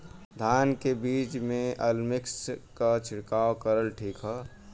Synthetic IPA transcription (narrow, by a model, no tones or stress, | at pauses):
d̪ʱaːnkebiːt͡ʃmẽəlmɪkskat͡ʃʰɪɽkaokəɾəlʈʰiːkɦɔ